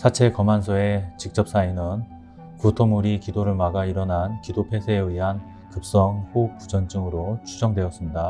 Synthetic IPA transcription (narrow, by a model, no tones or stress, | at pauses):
sʰat͡ɕʰe̞kʌmansʰoe̞t͡ɕik̚t͡ɕ͈ʌp̚s͈ainɯn | kutʰomuɾikidoɾɯɭmaɡaiɾʌnankidopʰe̞sʰeːɯiɦan | kɯp̚s͈ʌŋɸokud͡ʑʌnt͡ɕ͈ɯŋɯɾot͡ɕʰud͡ʑʌŋdwe̞ʌs͈ɯmɲida